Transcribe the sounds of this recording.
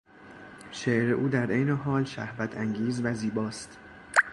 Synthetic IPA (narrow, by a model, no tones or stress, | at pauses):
ʃeʔɾeʔuːd̪æɾejneɦɒːlʃæ̰hvæt̪ʰæŋɡiːzvæziːbɒːst̪